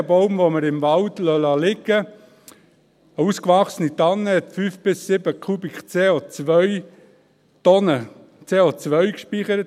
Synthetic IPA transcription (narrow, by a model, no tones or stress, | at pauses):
əbɔʊmvoməɾɪmvɑldlœlɑlɪɡə | əuskʋɑχsənit̪ɑnːəhɛt̪fyːfb̥ɪsːɪbəkʰubikt͡seːot͡sʋœʏ | t̪ɔnə | t͡seːot͡sʋœɥkʃpiχəɾət